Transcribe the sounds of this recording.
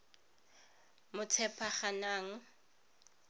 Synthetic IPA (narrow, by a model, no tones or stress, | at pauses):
mʊt͡sʰɛpʰaχanaːŋ̩